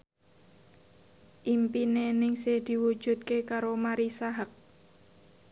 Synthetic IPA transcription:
ʔimpinenɪŋsɪhd̪̥i̤wud̥ʒ̥ṳt̪̚kekaɾomaɾisaɦak̚

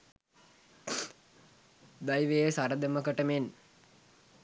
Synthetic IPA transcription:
d̪ajʋejəsaɾɐd̪ɐməkɐʈɐmen

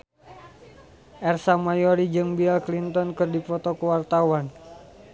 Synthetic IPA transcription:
ʔɛrsamajɔɾid͡ʒɨŋbiɛlklint̪ɔnkɨrdifɔt̪ɔkəwart̪awan

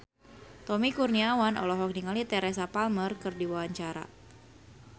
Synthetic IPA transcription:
t̪ɔmikurniawanʔɔ̰lɔɦɔk̚diŋalit̪ɛɾɛsapalmərkɨrdiwawaɲt͡ʃaɾa̰

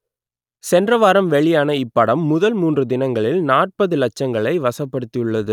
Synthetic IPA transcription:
sɛndrɐʋaːɾɐmʋɛɭɪjaːnɐɪpːɐɽɐmːʊðɐlmuːndrɯd̪ɪnɐŋɡɐɭɪlnaːʈ̚pɐðɯlɐt͡ʃːɐŋɡɐɭɐɪʋɐsɐpːɐɽɯt̪ːɪjɯɭːɐðɯ

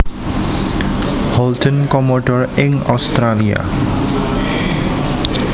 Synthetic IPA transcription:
hɔldənkɔmɔɖɔɾɪŋɔ̰st̪ɾalia̰

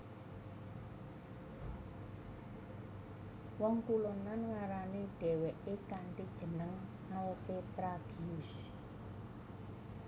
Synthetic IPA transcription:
wɔŋkulonanŋaɾaniɖ̥ɛ̤wɛʔekaɳʈid̥ʒ̥ə̤nəŋ | aopet̪ɾaɡ̥iʊs

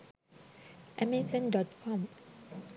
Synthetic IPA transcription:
ʔɛmɛsɔ̃ndɔt̚kʰɔ̃m

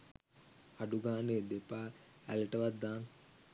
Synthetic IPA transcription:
aɖuɡaːneːd̪epaːæleʈəʋat̪ːaːn

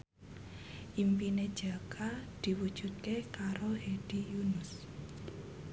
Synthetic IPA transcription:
ʔimpined̥ʒ̥akʰad̪̥i̤wud̥ʒ̥ṳt̪̚kekaɾohed̥ijunʊs

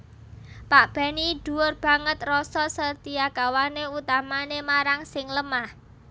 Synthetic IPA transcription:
paʔb̥a̤niɖ̪̥ṳʊrb̥a̤ŋət̪rɔsɔsərt̪iaɡ̥awaneut̪amanemaɾaŋsɪŋləmah

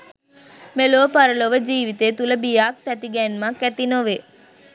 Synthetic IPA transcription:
meloːpɐɾəloʋəd͡ʒiːʋit̪eːt̪uləbijaːk̚t̪ɛt̪iɡɛnmakːæt̪inoʋe

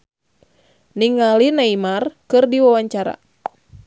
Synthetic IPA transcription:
niŋalinaimarkɨrdiwawaɲt͡ʃaɾa̰

